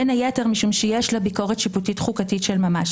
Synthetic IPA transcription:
enajeteʁmiʃumʃejeʃlabiko̞ʁetʃiputitχukatitʃelmamaʃ

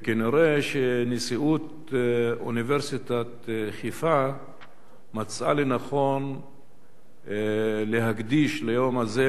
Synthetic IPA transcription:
keniɾeʃenisiʔut̪ | ṵniveɾsit̪at̪χifa | mat͡sa̰lenaχo̞n | leɦaɡd̪iʃlajomaze

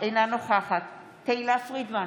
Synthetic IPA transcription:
ejnanoχaχat̪ː | eilasʁid̪ma

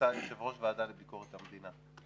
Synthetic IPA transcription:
ajeʃevʁo̞ʃvead̪alebiko̞ʁet̪hamed̪ina

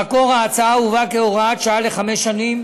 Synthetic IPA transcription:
ako̞ʁaːt͡saauvakeoʁaat̪ʃaaleχameʃanim

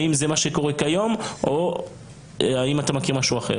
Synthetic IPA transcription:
imzemaʃeko̞ʁe̞kajo̞mʔo | aimatamakiʁmaʃuaχḛʁ

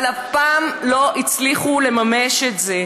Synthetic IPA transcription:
lapaːmlo̞ʔit͡sliχule̞mameʃetze

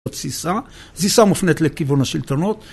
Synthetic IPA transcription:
t̪z̥isa | zisamufnet̪lekivunaʃilt̪onot̪

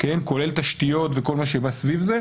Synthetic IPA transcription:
kenko̞le̞lt̪aʃt̪ijo̞t̪veko̞lmaʃ̬ebasvivze

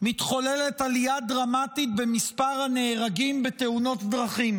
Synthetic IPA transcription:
mit̪χo̞lelet̪aliad̪ʁamat̪it̪̚bemispaʁhane̞ːʁaɡimbeteuno̞t̪d̪ʁaχim

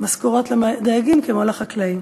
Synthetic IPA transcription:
maskuʁotled̪ajaɡimkemalaχaklaim

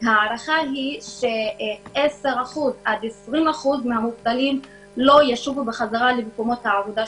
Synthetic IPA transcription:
haːɾaχaɦiʃe̞ʔese̞ʁaχuzad̪esʁimaχuzmehamuvtalim | lo̞jaʃuvubeχazaʁalemeko̞mo̞t̪haːvod̪a

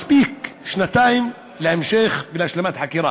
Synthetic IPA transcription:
sbiːkʃnat̪aːjɪm | lʔɪmʃeːxbɪlʔaʃlamat̪ħakiːɾa̰

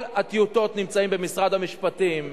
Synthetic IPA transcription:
lat̪ijut̪o̞t̪nimt͡saimbemisʁad̪hamiʃpatim

